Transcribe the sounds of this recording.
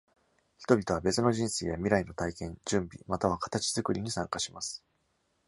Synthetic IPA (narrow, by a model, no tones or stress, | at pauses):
çi̥t̪o̞bʲit̪o̞βabe̞t͡sɨno̞ʑĩɰ̃seːjamʲiɾaino̞t̪aikẽ̞ɲd͡ʑɨ̃mbʲḭmat̪aβ̞akḁt̪at͡ɕizɨkɯ̟ɾʲiɲ̟isãŋkaɕimasɨ̥